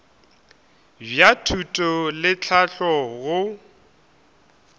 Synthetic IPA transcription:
bjatʰutʼɔlɪt͡ɬʰaɬɔɣʊ

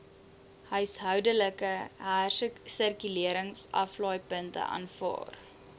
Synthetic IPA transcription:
hœɥsɦœwdələkəɦæːrsərkyliəɾəŋsʔɐ̰flɑːjpəntə̰ʔɑ̰ːnfɑ̰ːr

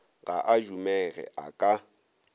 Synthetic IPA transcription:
ɣaʔad͡ʒumɛɣɛ̰ʔakʼa

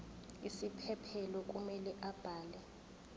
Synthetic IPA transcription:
isipʰɛpʰɛlɔk̬ʼumɛlɛʔab̥ʱaːlɛ

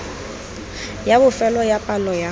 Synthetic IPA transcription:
jabʊfɛlɔjapʼalɔja

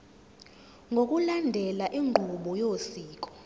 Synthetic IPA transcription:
ŋɡʱok̬ʼulandʱɛlaʔiŋʱuɓɔjosiːk̬ʼɔ̥

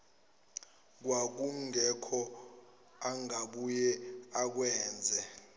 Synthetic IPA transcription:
k̬wak̬uŋɛkʰɔ | aŋaɓujɛak̬wɛːnd͡zʱɛ

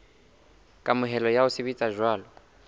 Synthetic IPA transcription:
kʼamʊɦɛlɔjaʊsɪbit͡sʼaʒwaːlɔ

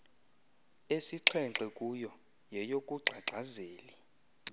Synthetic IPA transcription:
esiǁʰɛŋǁɛkʼujɔ | jɛjokʼuɡ͡ǀʱaǁʱazeːli

